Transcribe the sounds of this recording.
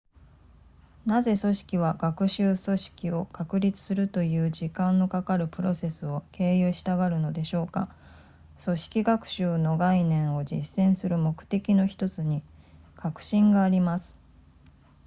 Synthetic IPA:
naze̞so̞ɕi̥kʲiβ̞aɡakɯ̟ɕɨːso̞ɕi̥kʲio̞kakɯ̟ɾʲit͡sɨ̥sɨɾɯ̟t̪o̞jɯ̟ːʑikãnːo̞kakaɾɯ̟pɯ̟ɾo̞se̞sɨo̞kʰe̞ːjɯːɕi̥t̪aɡaɾɯ̟no̞d̪e̞ɕo̞ːka | so̞ɕi̥kʲiɡakɯ̟̥ɕɨːno̞ɡainẽ̞ɰ̃o̞d͡ʑḭsːẽ̞ɰ̃sɨɾɯ̟mo̞kɯ̟̥t̪e̞kʲino̞çi̥t̪o̞t͡sɨɲ̟i | kakɯ̟̥ɕĩŋɡaːɾʲimasɨ̥

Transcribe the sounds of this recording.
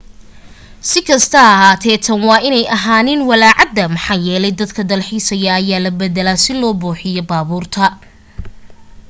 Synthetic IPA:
sɪkʰɐst̪ʰɐɐɦaːt̪ʰɛːt̪ʰɐnwɑːʔɪnɛjʔɐɦaːnɪnwɐlaːʕɑd̪ːɐmɐħɑːjɛːlɛjd̪ɐd̪kʰɐd̪ɐlħiːsɐjɐːjaːlɐbɛðɛlasɪlɔːbuːħɪjɔbaːβuːrt̪ʰɐ

